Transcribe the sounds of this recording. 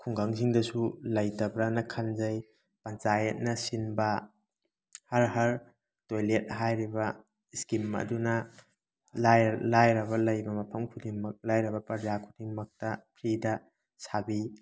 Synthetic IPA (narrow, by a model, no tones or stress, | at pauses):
kʰuŋɡaŋsiŋdɐsulɐjtɐbɾɐnɐkʰɐnzɐj | pɐnt͡ʃajɐt̚nɐsinbɐ | hɐɾɦɐɾ | tojlet̚ɦajɾibɐ | iskimːɐ̰dunɐ | lajlajɾɐβɐlɐjbɐmɐpʰɐmkʰudiŋmɐk̚lajɾɐbɐpɐd͡ʒakʰudiŋmɐk̚tɐpʰɾidɐ | sabi